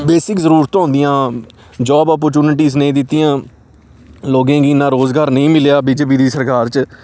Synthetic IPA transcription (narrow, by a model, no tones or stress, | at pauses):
beːsɪkzəɾuːɾt̪ːɔ̃ːnd̪ɪjãː | d͡ʒɔːbɔːp̬əɾt͡ʃuːnɪʈ̬iːsnəĩːd̪ɪt̪ːɪjãː | loːɡẽːɡiːnãːɾoːzɡaːɾnəĩːmɪlejaːbiːd͡ʒeːp̬iːd̪iːsəɾkaːɾt͡ʃ